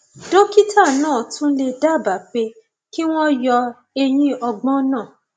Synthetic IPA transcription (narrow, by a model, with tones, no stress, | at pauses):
dõ˦ki˦tʰa˦˨nãː˦˨tũ˦le˧da˦˨ba˨˦˨k͡pe˧ | ki˦w̃ɔ̃˦jɔ˧ | e˧j̃ĩ˦ɔ˧ɡ͡bɔ̃˦nãː˦˨